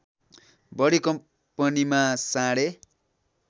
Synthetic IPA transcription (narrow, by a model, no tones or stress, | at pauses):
bʌɽikʌm | pʌnimasãɽe